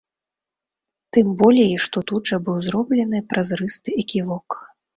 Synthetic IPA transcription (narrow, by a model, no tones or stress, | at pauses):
t̪ɨmbɔlʲɛiʂt̪ɔt̪ud̪ʐɐbɨwzɾɔblʲɛnɨpɾɐzrɨst̪ɨʔikʲivɔk